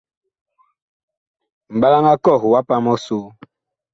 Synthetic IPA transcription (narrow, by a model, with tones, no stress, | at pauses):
m̩˨ɓa˦la˦ŋa˦kɔ˦˨ɣwa˦pa˦mɔ˦so˦